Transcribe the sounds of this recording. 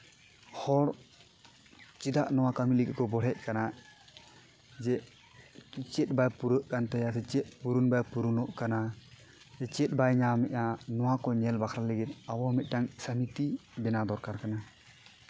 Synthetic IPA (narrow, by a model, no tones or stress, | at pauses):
hɔɾ | t͡ʃid̪aʔnɔwakamiliɡkɔbɔɽɛc̚kana | d͡ʒɛ | t͡ʃɛt̪̚bajpuɾəʔkant̪ɛjasɛt͡ʃɛt̪̚puɾunbajpuɾunɔʔkana | ɛt͡ʃɛt̪̚bajɲamɛʔanɔwakɔɲɛlbakʰɾaləɡit̪̚abɔmɛt̪̚ˀdaŋsəmit̪ibɛnad̪ɔɾkaɾkana